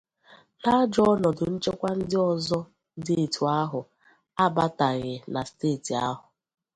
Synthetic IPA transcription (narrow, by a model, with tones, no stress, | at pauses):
na˦d͡ʒɔ˦ɔ˦nɔ˨dʊ˨n̩˦t͡ʃe˦kʷa˦n̩˦dɪ˦ɔ˨zɔ˦ | de˦e˨tʰu˨a˦ɦʊ˨ | a˦ba˦ta˨ɣɪ˨na˨steː˦˨ti˨a˦ɦʊ˨